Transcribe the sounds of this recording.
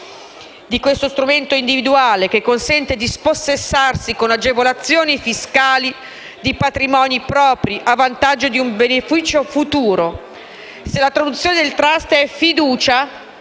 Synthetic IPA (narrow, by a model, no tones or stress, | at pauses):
d̪ikwest̪ost̪ɾument̪oind̪ivid̪uaːlek̟ekːonsɛnt̪ed̪isposːesːarsikonad͡ʒevolat̪sːjoːnifiskaːli | d̪ipat̪ɾimɔːnipɾɔːpɾiʔavːant̪ad͡ʒːod̪iumbenefiːt͡ʃofut̪uːɾo | selat̪ɾad̪ut̪sːjoːned̪elt̪ɾast̪ɛfid̪uːt͡ʃa